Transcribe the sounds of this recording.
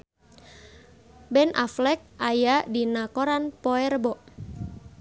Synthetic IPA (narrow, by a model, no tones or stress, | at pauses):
bɛnʔa̰flɛk̚ʔajadinakɔɾanpɔɛrbɔʔ